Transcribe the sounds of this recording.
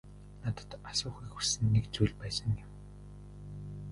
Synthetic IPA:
nat̪ə̥̆t̪asʊːχiːkxusɘ̆nːekt͡sujɮʲpæːsə̆ŋɪm

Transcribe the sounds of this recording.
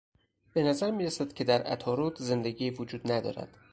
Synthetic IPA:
b̥e̞næzæɾmiːɾesæd̪̥cʰe̞d̪æɾæ̰t̪ʰɒːɾuːt̪ʰze̞nd̪eɡiːvod͡ʒuːd̪næd̪ɒ̰ːɾæ̰d̪̥

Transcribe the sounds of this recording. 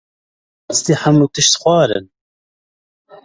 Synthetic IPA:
st̪iːħamnut̪ɨʃt̪xʷɑːɾɨ̰n

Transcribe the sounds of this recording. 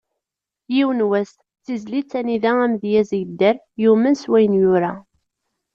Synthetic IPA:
jiwənwæs | t͡sːizlit͡sːæniðææmðjæzjd̪ːæɾ | jumənswæjnjʊɾa

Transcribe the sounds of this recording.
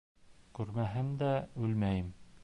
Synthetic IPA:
kʉɾmæɦɘmd̪æʉlmæjɘm

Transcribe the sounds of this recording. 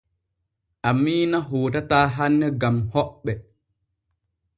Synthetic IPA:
ʔamːiːnaɦoːt̬ataːɦanːɛɡamhɔɓːɛ

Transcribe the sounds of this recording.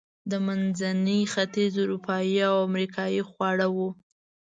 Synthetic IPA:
d̪əmanzanəxat̪izʊɾupɑjiawamɾikʰɑjixwɑɽawu

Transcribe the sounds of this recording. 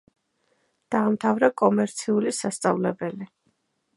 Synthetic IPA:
d̪̥aːmt̪ʰavɾakʼɔmɛɾt̪sʰiulisast̪sʼa̰vlɛbɛli

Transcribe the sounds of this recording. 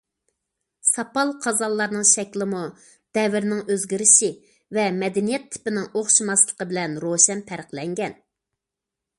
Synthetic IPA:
sɑpɑlˠqʰɑzɑlˠːɑɾnɨŋʃɛkʲlɪmu | d̪̥ɛvɪɾnɪŋøzɡʲiɾɪʃi | vɛmɛd̪ɪnijɛt̪ʰːɪ̥pɪnɪŋoχʃumɑslˠəqəbɪlɛnɾoʃɛnpʰæɾəqlɛŋɡʲɛn

